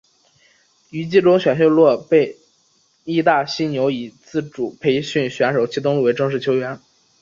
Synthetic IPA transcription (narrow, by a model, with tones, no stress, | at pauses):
y˧˥t͡ɕi˥˩ʈ͡ʂʊ˥ŋɕɥɛ˨˩nɕo˥˧lwɔ˥˧pe˥˩ɪ | i˥˧t̪a˥˩ɕi˥njo˧˥ʊi˨˩t͡sɹ̩˥˩ʈ͡ʂu˨˩pʰe˧˥ɪɕy˥˩nɕɥɛ˧˥nʂo˨˩ʊt͡ɕʰi˥t̪̬ʊ˥ŋlu˥˩we˧˥ɪʈ͡ʂɤ˥˧ŋʂɻ̩˥˩t͡ɕʰjo˥ʊɥɛ˧˥n